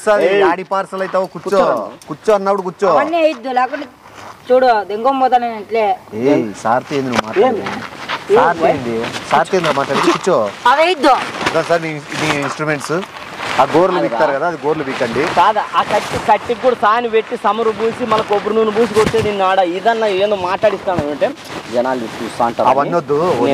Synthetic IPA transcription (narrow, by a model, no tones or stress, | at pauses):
saːɾeaaːɽipaːɾsɐlɐjt̪aːʋokut͡ʃːokut͡ʃːoɐnːɐpːuɽukut͡ʃːoːɐnːiɐjid̪ːulɛːkuɳʈe | t͡ʃuːɽod̪eŋɡombɔːt̪anɐnɐʈleːesaːɾt̪iend̪inuʋmaːʈːaɽ | eːɾt̪ieːndisaːɾt̪ieːnd̪umaːʈlaːɽeːkut͡ʃːoːɐʋejid̪ːud̪ɐnsaːɾniniːinsʈɾumeɳʈs | aːɡoːɾlɐbiːkt̪aːɾukɐd̪aːd̪iɡoːɾlubiːkːɐɳɖikaːd̪aʔaːkɐʈːikɐʈːiɡuːɽɐsaːniʋeʈːisɐmɐɾubuːsimɐlːɐkobuɾunuːnubʱuːs̬ikot͡ʃːeninːaːɽɐid̪ɐnːɐeːnd̪omaːʈlaːɽist̪aːnɐɳʈeː | d͡ʒɛnaːlit͡ʃuːst̪aːɐɳʈɐɐʋɐnnːod̪ːu